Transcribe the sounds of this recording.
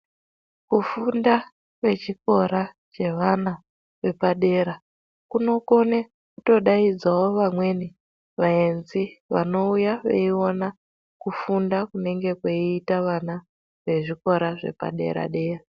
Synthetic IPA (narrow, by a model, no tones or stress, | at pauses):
kufunda | kwe̞t͡ʃiko̞ɾa | t͡ʃe̞ʋana | ʋe̞paɗe̞ːɾa | kuno̞ko̞ne | kuto̞ɗaid͡zawo̞ʋamwe̞ni | ʋaenziʋa̰no̞ujaʋḛio̞na | kufundakune̞ŋɡe̞kweiːtaʋana | ʋe̞ʐiko̞ɾaʐe̞̰pa̰ɗe̞̰ɾa̰ɗe̞ːra